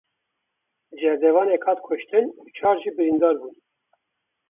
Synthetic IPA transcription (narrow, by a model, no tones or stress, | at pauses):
d͡ʒɛɾd̪ɛvɑːnekʰɑːt̪̚kʰʊʃt̪ɨnut͡ʃʰɑːɾʒiːbɨɾind̪ɑːɾbuːn